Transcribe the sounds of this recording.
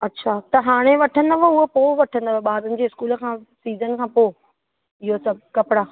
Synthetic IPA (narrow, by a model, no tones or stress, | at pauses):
ɐtːɕʰaːt̪ɐɦaːɽ̃eʋɐʈʰə̃nd̪əʋoʊɦopoːʋɐʈʰə̃n̆d̪əʋoɓaːd̪ənɪ̆d͡ʑeːɪskuːlə̆kʰãːsiːzənkʰãːpoː | ɪɦosɐb̚ʱkɐpɪɽaː